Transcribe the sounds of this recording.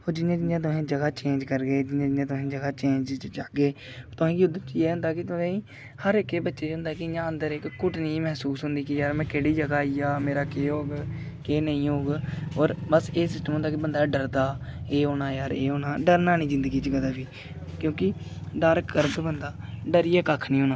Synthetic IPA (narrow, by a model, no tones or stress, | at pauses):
oːd͡ʒɪnjãːd͡ʒɪjãːt̪̬ʊɦẽːd͡ʒəɡaːt͡ʃẽːd͡ʒkəɾɡeːd͡ʒɪnãːd͡ʒɪjãːt̪̬ʊɦẽːd͡ʒəɡaːt͡ʃẽːɲd͡ʒd͡ʒaːɡeː | t̪ʊãːiʊd̪ət͡ʃieːɦʊ̃nd̪aːkɪt̪ʊnẽː | həɾɪkːeːbətːʃeːt͡ʃɦʊ̃nd̪aːkɪɪãːənd̪əɾɪkːʊʈniːmɛɦsuːsɦʊnd̪iːkɪjaːɾmɛ̃ːkeɽiːd͡ʒəɡaːijaːmeːɾaːkeːɦoːɡkeːnəĩːɦoːɡɔːɾbəseːsɪsʈəmʊ̃nd̪aːkɪbənd̪aːɖəɾd̪aːeːɦoːñaːjaːɾeːɦoːnaːɖəɾnaːnĩːzɪ̃nd̪ɡiːt͡ʃəkd̪aːbiː | kjõːkɪ | ɖəɾkːəɾkbənd̪aːɖəɾɪɛːkakʰnĩːɦoːnaː